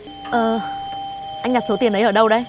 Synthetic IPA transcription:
ʔəː˨˩ | ʔa˧ŋ̟ɲa˨˩so˨˦t̪i˨˩ənʔə˨˦jʔəː˧˩ɗə˧wɗə˧˦j

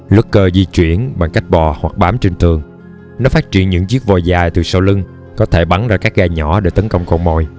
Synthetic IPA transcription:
lʊ˦˥kkəː˧zi˧t͡ɕwi˧˩˨ənɓa˨˩ŋka˦˥jk̟̚ɓɔ˨˩hwa˨˩k̚ɓaː˨˦mt͡ɕi˧ŋ̟t̪ʰɨ˨˩əŋ | nɔ˨˦faː˦˥t̚t͡ɕḭ˧˨ənɲɨ̰˧˥ŋt͡ɕi˦˥ək̚vɔ˨˩jzaː˨˩jt̪ɨ˨˩sə˧wlɨ˧ŋ | kɔ˨˦t̪ʰe˧˩ɓa˨˦nzaː˧kaː˦˥k̚ɣaː˧˩ɲɔ˧˩˥ɗe˧˩t̪ə˨˦nkə˧wŋ͡mkɔ˧wŋ͡mmo̰˧˨j

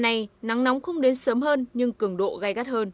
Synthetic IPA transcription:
na˨˩jna˨˦ŋna˨˦wŋ͡mxə˧wŋ͡mɗe˨˦nsəː˨˦mɦəː˧nɲɨ˧ŋkɨ˧˩əŋɗo̰˧˨ɣa˧jɣa˦˥t̚həː˧n

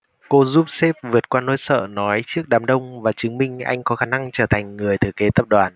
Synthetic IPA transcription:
ko˧zu˦˥p̚sɛ˦˥p̚vɨ˨˩ət̚kwaː˧nːo˧˦jsə̰ː˧˨nɔ˨˦jt͡ɕɨ˦˥ək̚ɗaː˨˩mɗə˧wŋ͡mvaː˨˩t͡ɕɨ˨˦ŋmï˧ŋ̟ʔa̰˧jŋ̟kɔ˨˦xaː˧˩na˧ŋt͡ɕəː˧˩t̪ʰa˨˩jŋ̟ŋɨ˨˩əjt̪ʰɨ˧˩əke˨˦t̪ə˦˧˥p̚ɗwaː˨˩n

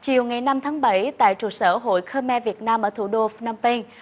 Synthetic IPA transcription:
t͡ɕi˨˩əwŋa˨˩jna˧mt̪ʰaː˨˦ŋɓə˧˩jt̪a̰ː˧˨jt͡ɕu˨˧˩səː˧˩ɦo̰˧˨jxəː˧mɛ˧vi˨˩ət̚naː˧mʔəː˧˩t̪ʰu˧˩ɗo˧fna˧mpi˧ŋ

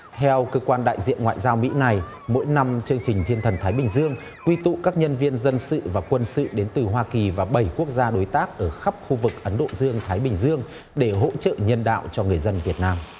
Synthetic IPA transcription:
t̪ʰɛ˧wkəː˧kwaː˧nɗa̰ː˧˨jzḭ˧˨ənŋwa̰ː˧˨jzaː˧wmḭ˧˥na˨˩j | mo̰˧˥jna˧mt͡ɕɨ˧əŋt͡ɕï˨˩ŋ̟t̪ʰi˧ənt̪ʰə˨˩nt̪ʰaː˨˦jɓï˨˩ŋ̟zɨ˧əŋ | kwi˧t̪ṵ˧˨kaː˦˥k̚ɲə˧nvi˧ənzə˧nsɨ̰˧˨vaː˨˩kwə˧nsɨ̰˧˨ɗe˨˦nt̪ɨ˨˩ɦwaː˧ki˨˩vaː˨˩ɓə˧˩jku˦˥ək̚zaː˧ɗo˨˦jt̪aː˦˥k̚ʔəː˧˩xa˦˥p̚xu˧vɨ˨˩k̚ʔə˨˦nɗo̰˧˨zɨ˧əŋt̪ʰaː˨˦jɓï˨˩ŋ̟zɨ˧əŋ | ɗe˧˩ɦo̰˧˥t͡ɕə̰˧˨ɲə˧nɗa̰ː˧˨wt͡ɕɔ˧ŋɨ˨˩əjzə˧nvi˨˩ət̚naː˧m

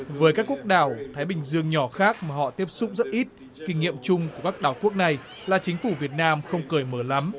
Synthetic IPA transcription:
vəː˨˦jkaː˦˥kːu˦˥ək̚ɗaː˧˩wt̪ʰaː˨˦jɓï˨˩ŋ̟zɨ˧əŋɲɔ˧˩xaː˦˥k̚maː˨˩ɦɔ̰˧˨t̪i˦˥əp̚sʊ˦˥k͡p̚zə˦˥t̚ʔi˦˥t̚ | kï˧ŋŋḭ˧˨əmt͡ɕʊ˧ŋ͡mku˧˩əkaː˦˥k̚ɗaː˧˩wku˦˥ək̚na˨˩j | laː˨˩t͡ɕï˨˦ŋ̟fu˧˩vi˨˩ət̚naː˧mxə˧wŋ͡mkəː˨˩jməː˧˩la˨˦m

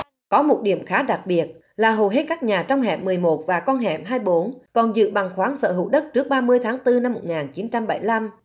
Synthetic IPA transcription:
kɔ˨˦mo˨˩t̚ɗḭ˧˩əmxaː˨˦ɗa˨˩k̚ɓi˨˩ət̚ | laː˨˩ɦo˨˩wɦe˦˥t̚kaː˦˥k̚ɲaː˨˩t͡ɕɔ˧wŋ͡mɦɛ̰˧˨mːɨ˨˩əjmo˨˩t̚vaː˨˩kɔ˧nɦɛ̰˧˨m̚ɦaː˧jɓo˨˦nkɔ˨˩nzɨ̰˧˨ɓa˨˩ŋxwaː˨˦nsə̰ː˧˨ɦɨ̰˧˨ɗə˦˥t̚t͡ɕɨ˦˥ək̚ɓaː˧mɨ˧əjt̪ʰaː˨˦ŋt̪ɨ˧na˧mːo˨˩t̚ŋaː˨˩nt͡ɕi˨˦nt͡ɕa˧mɓə˧˩jla˧m

